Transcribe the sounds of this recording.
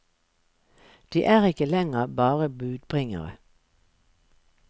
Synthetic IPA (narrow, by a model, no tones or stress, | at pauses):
d̪̥iːʔæːʁɪkəlɛŋəbɑːʁəbʉːd̪bʁɪŋə̰ʁə̰